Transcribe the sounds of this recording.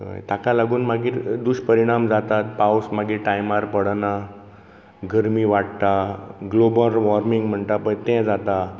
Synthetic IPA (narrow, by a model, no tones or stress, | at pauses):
ə̰jt̪akalaɡuːnmaɡiːɾd̪uɕpəɾiɽ̃amd͡zat̪at̪pawsmaɡiːʈajmaɾpəɽna | ɡəɾmiːʋaʈ̚t̪aɡlobəɾʋɔɾmiŋɡm̤əɳt̪apə̃jt̪ɛ̃d͡zat̪a